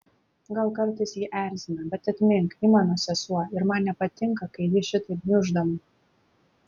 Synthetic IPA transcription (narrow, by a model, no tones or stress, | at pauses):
ɡɐlˠkɐɾt̪ɐɪsjiːʔæˑɾʲzʲɪnʲɐbʲɛt̪ɐt̪ʲmʲɪŋkimɑːnoːsʲɛsuɔɪɾmɑnnʲɛpɐt̪ʲɪŋkɐkɐɪjʲɪʃʲɪt̪ɐɪpnʲʊʒd̪ɐmʊ